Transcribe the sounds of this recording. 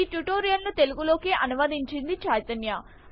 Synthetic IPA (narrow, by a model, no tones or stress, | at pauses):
iʈuʈoːɾijɐnlut̪e̞luɡulo̞ːkeːʔɐnuʋɐd̪iɲt͡ʃind̪it͡ʃaːjt̪ɐnja